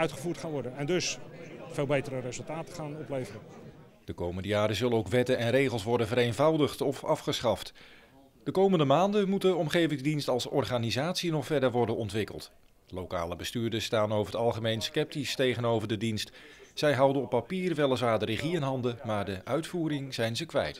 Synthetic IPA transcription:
œɥtχəvuːtχaːnʋɔdənɛndɵsfeːlˠbejtəɾərezəlˠtaːtəχaːnɔplejvərə | d̥əkowməndəjaːɾəzɵlənowkʋɛtənɛnrejχəlˠsʋɔɹdənvəɾejnvɑwdəχtɔfɑfχəsχɑft | d̥əkowməndəmaːndəmut̚dəɔmχejvɪŋzdinstɑlˠsɔ̰ɹχaːnizaːtsinɔχfɛɹdəɹʋɔɹdənɔntʋɪkə̰lˠt | lowka̰ːləbəstyːɹdəstaːnowvəɦətɑlˠχəmejnskɛp̚tistejχənowvəɹdədinstz̥ɛjɦʌwdənɔpːapiːrʋɛləsʋaːɹdərəχiɛnɦɑndəmaːɹdəʔœɥtfuːɾɪŋzɛjnzəkʋɛ̰jt

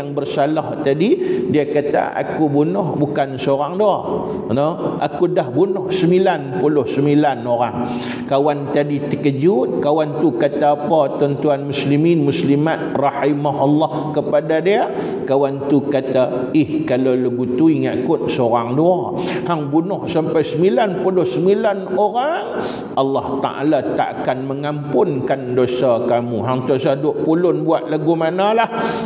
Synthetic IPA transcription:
aŋbərsalaht̪adidiakat̪a̰ʔa̰kubunʊhbukansəoɾaŋda | nəʔa̰kudahbunʊhsəmilanpulʊhsəmilanoɾaŋ | kawant̪adit̪ə̥kəd͡ʒut̪̚kawant̪ukat̪aːpat̪ɔnt̪uanmusliminmuslimat̪̚rɑħimaɦɔlːɑhkəpadadia | kawant̪ukat̪aɪhkalaləɡut̪uiŋaʔkʊt̪̚səoɾaŋduahaŋbunʊhsampajsəmilanpulʊhsəmilanoɾaŋ | ɑlːɑht̪a̰ʔa̰lat̪a̰ʔakanməŋampʊnkandosakamuɦaŋt̪usadʊʔpulʊnbuat̪̚laɡumanalah

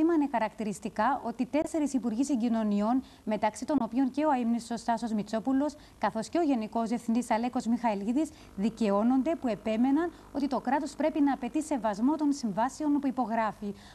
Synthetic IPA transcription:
imɐinexɐɾɐkt̪iɾist̪ikɐʔo̞t̪it̪e̞se̞ɾisipuɾʝisiɲɟino̞nio̞n | me̞t̪ɐksit̪o̞no̞pio̞nce̞oɐimnisost̪ɐsozmit͡so̞pulo̞s | kɐθo̞sce̞oʝe̞niko̞zðiefθind̪isɐle̞ko̞zmixɐiliðis | ðice̞o̞no̞nd̪e̞pue̞pe̞me̞nɐn | o̞t̪it̪o̞kɾɐt̪o̞spɾe̞pinɐːpe̞t̪ise̞vɐzmo̞t̪o̞nsiɱvɐseo̞nopuipo̞ɣɾɐfi

